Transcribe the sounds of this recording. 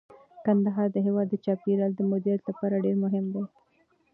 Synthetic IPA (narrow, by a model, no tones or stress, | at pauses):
kand̪aɦɑɾd̪əɦewɑd̪ːət͡ʃɑpiɾɑld̪əmod̪ijat̪lapɑɾaɖeɾmʊɦɪmd̪e